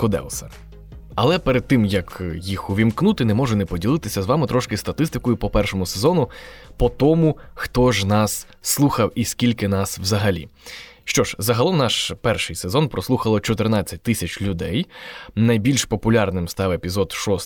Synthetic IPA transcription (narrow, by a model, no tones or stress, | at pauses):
kʊd̪ɛ̰lˠsʲɐ | ɐlˠɛpeɾed̪̚t̪ːɪmjɐkjixʊʋʲimknut̪ɪnɛmɔʒʊnɛpɔdʲilˠɪt̪ɪsʲɐzʋɑmɪt̪ɾɔʃkɪst̪ɐt̪ɪst̪ɪkɔjʊpɔpɛrʃɔmʊsezɔnʊpɔt̪ɔmʊxt̪ɔʒnɑsː | lˠuxɐwisʲkʲilʲkɪnɑswzɐɦɐlʲḭʃt͡ʃɔʒzɐɦɐlˠɔmnɑʃpɛrʃɪjsezɔnpɾɔslˠuxɐlˠɔt͡ʃɔt̪ɪrnɑt͡sʲːɐt̚ʲt̪ɪsʲɐt͡ʃlʲʊd̪ɛjnɐjbʲilʲʃpɔpʊlʲɑrnɪmst̪ɑwepʲizɔd̪ʃɔs